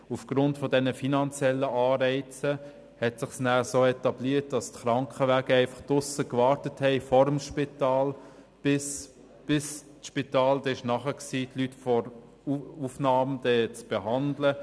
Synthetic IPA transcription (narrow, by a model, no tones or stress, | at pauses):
ufɡ̥ɾʊntfɔdɛnəfinɑnt͡sjɛlːəʔɑːɾɛɪt͡sə | hɛtsɪχsnæːsoːɛtɑbliət̚d̥ɑstχɾɑŋkχəʋæːɡəɛɪfɑχtʊsəkʋɑːɾtəthɛɪfɔɾəmʃpitɑːl | b̥ɪs | b̥ɪst͡sʃpitɑːld̥ɛɪʃnɑχəksiːtlytfɔɾ | ufnɑːmd̥̪ɛːt͡sb̥eɦɑndlə